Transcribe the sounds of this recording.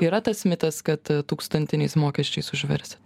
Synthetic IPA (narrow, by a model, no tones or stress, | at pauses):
iːɾɐt̪ɐsmʲɪt̪ɐskɐt̪t̪uːkst̪ɐnʲt̪ʲɪnʲɛɪsmoːkʲɛʃʲt͡ʃʲɛɪsʊʒʲʋʲɛɾʲsʲɪ